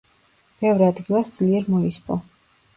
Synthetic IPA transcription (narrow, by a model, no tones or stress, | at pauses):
b̥ɛvɾad̪ɡilˠasd̪z̥liɛɾmɔispʼɔ̰